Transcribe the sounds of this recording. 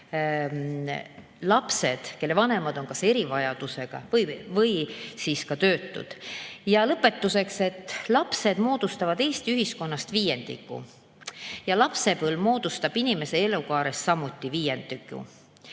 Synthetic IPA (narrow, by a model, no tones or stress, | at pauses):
lɑpse̞d̪̥ke̞lːe̞vɑne̞mɑd̪o̞nkɑse̞ɾivɑjɑd̪̥use̞ɡ̥ɑ̰vɤjvɤjsiskɑt̪ø̞ːt̪ːṵd̪̥jɑlɤpːˑe̞t̪ːuse̞kse̞t̪ːˑlɑpse̞d̪mo̞ːd̪̥ust̪ɑvɑd̪̥e̞ːst̪iyɦisko̞nːɑst̪viːje̞nd̪̥ḭkːˑṵ | jɑlɑpse̞pɤlmo̞ːd̪̥ust̪ɑb̥inime̞se̞e̞lukɑːɾessɑmːut̪ʲːˑiviːje̞nd̪̥ikːˑṵ